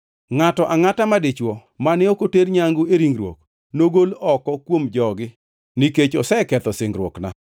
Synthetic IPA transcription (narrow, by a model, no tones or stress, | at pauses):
ŋatɔʔaŋatamadet͡ʃwɔmanɪokoteɾɲaŋɡʊeɾiŋɡɾwo̰k̚ | noɡolɔkɔkwomd͡ʒɔɡɪ | niket͡ʃɔsɛkɛt̪ɔsɪŋɡɾwɔkna̰